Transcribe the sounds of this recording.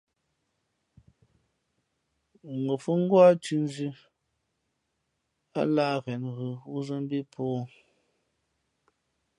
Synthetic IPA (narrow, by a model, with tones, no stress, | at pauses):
ŋ˨ɡo˨fu˦ŋ̩˦ɡwa˦tʉ˨n˦zʉ˦ | a̰˦laː˦ɣɛ˨nɣɯ˨u˦zə˦m˦bi˦pʰɔː˦